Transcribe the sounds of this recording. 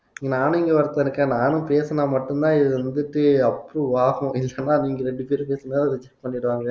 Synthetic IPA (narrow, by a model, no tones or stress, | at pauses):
ɪŋɡnaːñɪŋɡɐʋɐɾɯt̪ːɐnɯkːẽnaːnɯ̃peːsɐnaːmɐʈːɯnt̪ãːɪðɯʋɐnd̪ɯʈːɯɐpːɯɾũʋaːɣʊ̃ʔɪlːɐnːaːniːŋɡɐɾɛɳɖɯpeːɾɯpeːsɐmeːlɐðt͡ʃɛʈ̚pɐɳːɪɾɯʋaːŋɡɐ